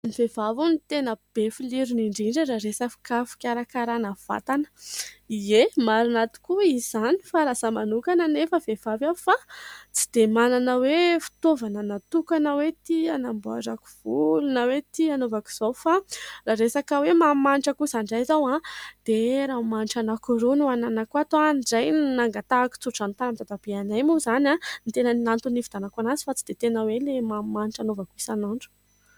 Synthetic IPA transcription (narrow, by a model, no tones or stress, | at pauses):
nivevavunit̪enəb̥efiliɾuniɳɖ͡ʐiɳɖ͡ʐəɾaɾesafi̥kafi̥kʲaɾakaɾanav̥a̰t̪anə̥iemaɾinat̪u̥kuiz̥ani̥faɾasamanukanənefəvev̥avafat͡si̥d̪̥emananəwefi̥t̪ovanənat̪ukanəwet̪ianambua̰zaki̥v̥ulunəwet̪ianovaku̥z̥owfaraɾesakəwemamanʈ͡ʂakusaɳɖ͡ʐajzawãd̪̥eɾamaniʈ͡ʂanakuɾunuananakuat̪oanɖ͡ʐajnaŋɡat̪aːki̥t͡suʈ͡ʂant̪anamit̪ad̪ab̥eanajmuzanãnit̪enəninant̪unifid̪̥anakanazi̥fat͡si̥d̪̥et̪enəwelemamaniʈ͡ʂanovakuisanaɳɖ͡ʐu̥